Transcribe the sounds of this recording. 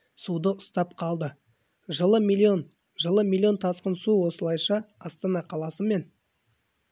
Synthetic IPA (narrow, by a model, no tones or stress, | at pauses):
sud̪əʊst̪ɑp̚qʰɑlˠd̪ə | ʒəlˠəmilʲːio̞n | ʒəlˠəmilʲːˠijo̞nt̪ʰɑsqənsuwo̞səlˠɑjʃɑɑst̪ɑnɑqʰɑlˠɑsəme̞n